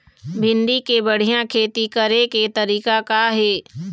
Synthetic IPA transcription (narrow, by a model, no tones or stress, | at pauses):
bʱɪnɖikebəɽ̤ijãkʰeːt̪ikəɾẽket̪əɾiːkakaɦeː